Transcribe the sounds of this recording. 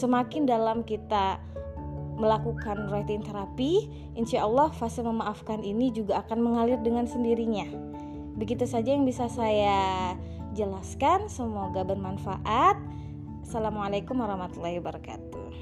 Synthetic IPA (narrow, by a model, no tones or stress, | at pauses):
səmakɪndalamkit̪a | məlakukanrat̪iint̪eɾapi | ʔinʃaʔɑlːɑhfasɪlməmaʔafkaninid͡ʒuɡaːkanməŋalɪrdəŋansəndiɾiɲa | bəɡit̪usad͡ʒajaŋbisasaja | d͡ʒəlaskansəmoɡabənmanfa̰ʔat̪̚ | salamualakʊmwaɾɑhmat̪ulːɑhiwabəɾaka̰t̪u